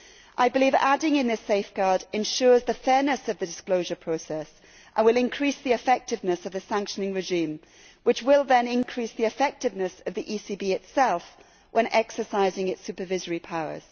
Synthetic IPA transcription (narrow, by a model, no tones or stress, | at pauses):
ʔaɪbɪliːva̰dɪ̃ŋɪ̃nðɪseɪfɡ̥ɑːdɨ̃nʃɔːzðəfɛːnəsəvðɨdɪskloʊʒəpʰɹ̥oʊsɛs | ʔə̃nwɪlˠɪ̃nkʰɹ̥isðiɨfɛk̚tɪvnəsəvðɨsæ̃ŋkʃənɪ̃ŋɹɪʒĩm | wɪt͡ʃwɪlˠðə̃nɪ̃nkʰɹ̥isðiɨfɛk̚tɨvnəsəvðiʔisibiɪtsɛlˠf | wʔə̃nʔɛksəsaɪzɪ̃ŋɪtsʉpəvɪzəɹipʰaʊə̰z̥